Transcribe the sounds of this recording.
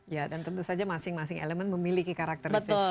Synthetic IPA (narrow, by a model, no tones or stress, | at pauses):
jadant̪ənt̪usad͡ʒamasɪŋmasɪŋḛləmənməmilikikaɾak̚t̪ərbət̪ʊ